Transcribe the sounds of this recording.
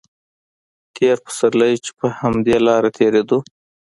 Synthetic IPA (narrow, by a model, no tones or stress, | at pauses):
t̪ʰeɾpə̥saɾlajt͡ʃe̥pəhamd̪elɑɾat̪ʰeɾed̪u